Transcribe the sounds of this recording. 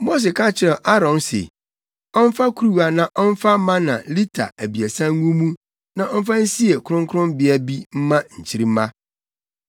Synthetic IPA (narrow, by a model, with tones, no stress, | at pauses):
mo˦s̬ɪ˨kʰã˦t͡ɕʰɪ˦ɾɛ˨ʔa˦ɾɔ̃˨nsḛ˨ | ɔ̃˦n˦fa˦kʰu˦ɾu˦wa˨nã˨ʔɔ˦n˦fa˦mã˦nã̰˨li˦tʰa̰˨æ˨bi˨æ˨sã˦ŋ˦ŋũ˦mũ˦ | nã˨ʔɔ˦n̩˦fã˦n̩˦si˦e˨kʰʊ˦ɾʊ̃˦ŋkʰʊ˦ʊ̃˦mbɪ˦a˦bi˦m̩˦mã˦ɲ̩˨t͡ɕʰi˦ɾi˦m̩˦mã˦